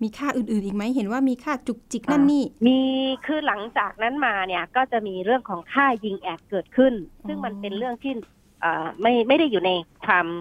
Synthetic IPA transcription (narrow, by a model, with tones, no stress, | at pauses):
miː˧kʰaː˥˩ʔɯː˨˩nʔɯː˨˩nʔiː˨˩k̚ma˦˥jɦe˩˦nwaː˥˩miː˧kʰaː˥˩t͡ɕu˨˩k̚t͡ɕi˨˩k̚na˥˩˨nːiː˥˩miː˧kʰɯː˧˩la˩˦ŋt͡ɕaː˨˩k̚na˦˥nmaː˧ni˧˥˩ɐkɔː˥˩t͡ɕa˨˩miː˧ɾɯ˥˩əŋkʰɔː˩˦ŋkʰaː˥˩ji˧ŋʔɛː˨˩p̚kɤː˨˩t̪̚kʰɯ˥˩nsɯ˥˩ŋma˧npe˧nɾɯ˥˩əŋt̪ʰiː˥˩ | ʔaː˨˩ma˥˩jma˥˩jɾa˥˩jːuː˨˩na˧jkʰwaː˧m